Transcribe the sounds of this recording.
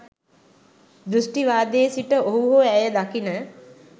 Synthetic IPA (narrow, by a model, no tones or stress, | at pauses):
d̪ɾusʈiʋaːd̪eːsiʈəoɦuɦoæjəd̪akinə